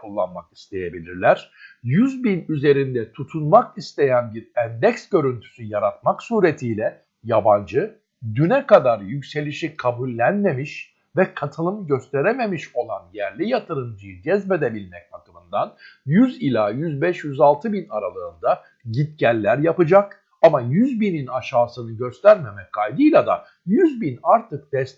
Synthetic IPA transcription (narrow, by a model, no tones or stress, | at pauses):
kʰulˠːa̰nmaki̥st̪ʰe̞je̞bilʲiɾlʲæɾ̥jyzbinyze̞ɾind̪ɛt̪ʰut̪ʰunmakist̪ʰe̞jænbiɾænd̪ɛcsɟø̞ɾynt̪ʰy̥syjaɾat̪̚maksuːɾe̞t̪ʰiːlʲɛ | jaband͡ʒɯ | d̪ynɛkad̪aɾjycse̞lʲiʃikʰabulʲːænme̞miʃ | vɛkʰat̪ʰɯlˠɯmɟø̞st̪ʰeɾeme̞miʃo̞lˠanjæɾlʲijat̪ʰɯɾɯnd͡ʒid̪ɛzbed̪ebilʲmɛcbakɯmɯnd̪anjyzilʲajyzbɛʃjyzalˠt̪ʰɯbinaɾalˠɯːnd̪a | ɟit̪̚cælʲːæɾjapɯd͡ʒak | amajyzbininaʃaːsɯnɯɟø̞st̪ʰæɾme̞mɛkʰːajd̪ɯjlʲˠad̪a̰ | jyzbinaɾt̪ʰɯk̚d̪̥ɛs